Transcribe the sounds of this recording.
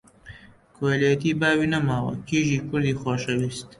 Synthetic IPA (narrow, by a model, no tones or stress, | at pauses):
kwalijat̪ibaːwinɐmaːwɐ̰kiːʒiːkʊɾd̪iːxaːʃɐwist̪